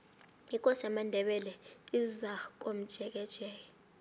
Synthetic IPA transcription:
ik̬ʼɔsɛmandʱɛɓɛlɛizak̬ʼom̩d̥ʒ̥ʱɛk̬ɛd̥ʒ̥ʱɛːk̬ɛ̥

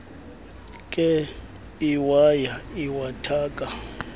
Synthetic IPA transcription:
kʼɛ | iwajaiwatʰaːkʼa

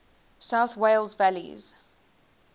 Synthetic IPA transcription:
saʊθweɪlˠzvælḭz̥

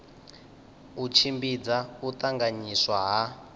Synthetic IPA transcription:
ut͡ʃʰimbid͡zaut̪aŋɡaɲiswaɦa

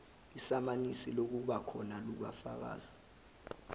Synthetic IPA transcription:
isamanisilok̬uɓakʰɔnaluɓa̰fa̰k̬a̰ːzi̥

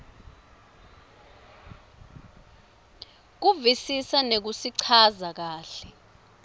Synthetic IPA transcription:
k̬uvisisanek̬usiǀʰazak̬aːɬɛ

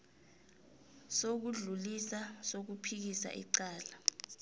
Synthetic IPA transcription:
sok̬uɮulisasok̬upʰik̬isa̰ʔḭǀaːla

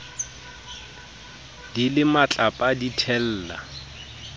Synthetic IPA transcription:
d̥ilɪmat͡ɬʼapʼaditʰɛl̩ːla̰

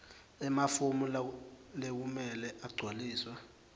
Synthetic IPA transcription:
ɛmafumullek̬umɛlɛʔaɡ͡ǀʱwaliːswa

